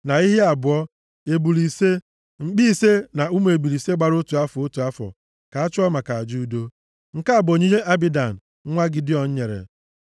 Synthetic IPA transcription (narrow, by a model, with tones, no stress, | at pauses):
na˨i˦ɦi˦a˨bʊ˨ɔ˦ | e˨bu˨li˨se˦ | ŋ͡m̩˨k͡pi˦i˦se˦na˨u˦m˨e˨bu˨ɾi˨se˦ɡ͡ba˨ɾo˦tu˨a˦fɔ˨o˦tu˨a˦fɔ̰˨ | ka˨a˦t͡ʃʊ˦ɔ˦ma˨ka˨a˨d͡ʒu˦u˦do˦ | ŋ̩˨ka˦a˨bo˨ɲi˦ɲe˦ʔa˦bi˦da˨n̩˨˦ | ŋʷa˦ɡɪ˦di˦ɔ˨n̩˦ɲe˨ɾḛ˨